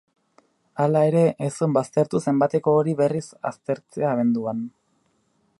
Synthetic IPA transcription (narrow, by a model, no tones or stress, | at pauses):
alae̞ɾe̞ʔːsombast̪e̞ɾt̪use̞mbat̪e̞ko̞ːɾiβe̞risa̰st̪e̞ɾt͡se̞aːβ̞e̞nd̪uan